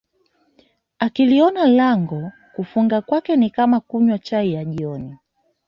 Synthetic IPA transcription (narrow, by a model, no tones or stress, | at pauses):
akiliɔnalaŋɡɔ | kufuŋɡakwakɛnikamakuɲwat͡ʃaijaʄiɔni